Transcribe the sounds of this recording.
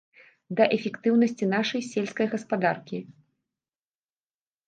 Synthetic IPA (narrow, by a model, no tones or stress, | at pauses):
d̪ɐʔɛfʲɛkt̪ɨwnɐsʲt͡sʲin̪aʂɐjsʲelʲskɐjɣɐspad̪arkʲi